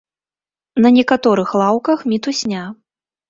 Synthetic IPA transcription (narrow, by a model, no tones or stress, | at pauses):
nɐnʲɛkat̪ɔɾɨxlˠawkɐxmʲit̪usʲnʲa